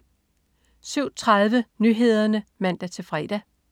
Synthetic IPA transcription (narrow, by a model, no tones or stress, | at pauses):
syʊ̰t͡sʰʁaðˠʋənyɦe̝ð̞̰ˠɐnəmæn̰d̥æt͡sʰe̝lfʁɛd̥æ